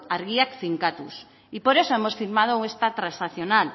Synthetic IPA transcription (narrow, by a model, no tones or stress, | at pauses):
aɾɣiakθiŋkat̪us | ipoɾesoemosfiɾmað̞ouest̪at̪ɾasaθjonal